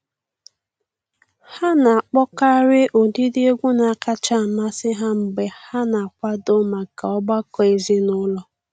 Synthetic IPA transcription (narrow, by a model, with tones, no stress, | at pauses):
ha˦na˨a˨k͡pɔ˦ka˦ɾɪ˦ʔo˨di˦dɪ˦e˦ɡʷu˦na˨ka˦t͡ʃa˦˨m̩˨ma˦sɪ˦ɦa˦m̩˨ɡ͡be˨ha˦na˨a˨kʷa˦dʊ˦ma˨ka˨ɔ˦ba˦kɔ˨e˨zi˦nʊ˦lɔ˨